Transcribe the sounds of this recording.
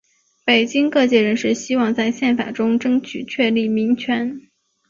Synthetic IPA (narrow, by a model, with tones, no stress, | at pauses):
pe˨˩ɪt͡ɕi˥ŋkɤ˥˧t͡ɕjɛ˥˩ɻə˧˥nʂɻ̩˥˩ɕi˥wɑ˥˧ŋt͡sa˥˧ɪɕjɛ˥˩nfa̰˨˩ʈ͡ʂʊ˥ŋʈ͡ʂɤ˥ŋt͡ɕʰy˨˩t͡ɕʰɥɛ˥˧li˥˩mi˧˥ŋt͡ɕʰɥɛ˧˥n